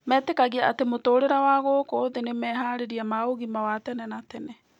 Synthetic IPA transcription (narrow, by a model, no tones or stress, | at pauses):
mɛːtekaɣiaatemotoːɾeɾawaɣokoðenemɛɦaːɾeɾiamaoɣimawatɛnɛnatɛnɛ